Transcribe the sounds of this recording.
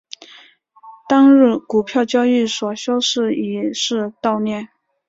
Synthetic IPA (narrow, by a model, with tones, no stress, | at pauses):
t̪ɑ˥ŋɻ̩˥˩ku˨˩pʰjɑ˥˧ʊt͡ɕjɑ˥ʊi˥˩swɔ˨˩ɕjɑ˥ʊʂɻ̩˥˩i˨˩ʂɻ̩˥˧t̪ɑ˥˧ʊnjɛ˥˩n